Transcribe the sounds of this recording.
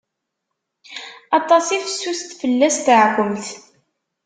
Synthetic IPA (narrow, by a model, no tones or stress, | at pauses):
ɑt̪ˤɑsifəsːust̪fəlːæst̪əʕkʷəmθ